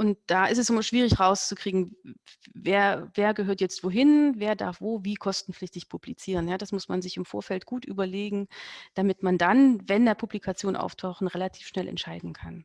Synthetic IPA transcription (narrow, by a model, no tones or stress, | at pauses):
ʔʊnt̚d̥aːʔɪstɛsnɪmaʃv̥iːʁ̞ɪçʁaʊst͡sukʁ̥iːɡŋ̩ | veːɐveːɐɡəɦøːɐtjɛt͡stv̥oːɦɪnveːɐda̰ɐfv̥oːviːkʰɔstn̩flɪçtɪçpʰublit͡siːʁ̞ənjaːd̥asmʊsmanzɪçɪmfoːɐfɛltɡ̥uːtʔy̰ːbɐleːɡŋ̩d̥amɪtmandanvɛndeːɐpʰublikʰat͡sjoːnʔa̰ʊftʰaʊχn̩ʁelatʰi̥ːfʃnɛlʔɛ̰ntʃaɪdn̩kʰan